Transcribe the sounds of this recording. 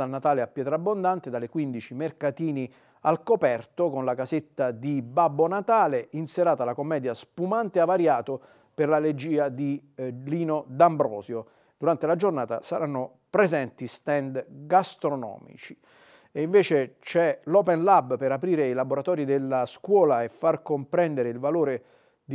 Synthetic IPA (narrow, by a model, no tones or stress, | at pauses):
alnat̪aːleapːjɛːt̪ɾabːond̪ant̪ed̪alekwind̪it͡ʃimerkat̪iːni | alkopɛrt̪okonlakazet̪ːad̪ibabːonat̪aːleinseɾaːt̪alakomːɛːd̪jaspumant̪eavaɾjaːt̪o | perlaled͡ʒiːad̪iliːnod̪ambɾɔ̰ːzjo | d̪̥uɾant̪elad͡ʒornaːt̪a̰saɾanːo | pɾezɛnt̪ist̪ɛnd̪ɡast̪ɾonɔ̰ːmḭt͡ʃi̥ | eiɱveːt͡ʃet͡ʃɛlɔpɛnlabpeɾapɾiːɾeilaboɾat̪ɔːɾid̪elːaskwɔːlaefːarkompɾɛnd̪eɾeilvaloːɾe | d̪